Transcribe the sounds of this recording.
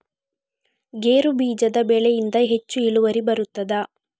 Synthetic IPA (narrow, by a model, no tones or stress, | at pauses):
ɡeːɾubiːd͡ʒɐd̪ɐbeːɭejind̪ɐɦe̞t͡ʃːuiɭuʋɐɾibɐɾut̪ːɐd̪ɐ